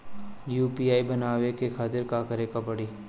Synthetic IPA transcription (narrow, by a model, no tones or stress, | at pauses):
juːpiaːibɐnaːʋekekʰaːt̪ɪɾkakɐɾekapɐɽiː